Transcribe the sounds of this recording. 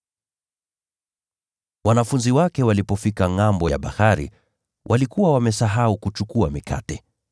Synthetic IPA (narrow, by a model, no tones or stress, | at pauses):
wanafunziwakɛwalipɔfikaŋambɔja̰ɓa̰haɾḭ | wʔalikuwawamɛsaɦaukut͡ʃukuamikʰa̰tɛ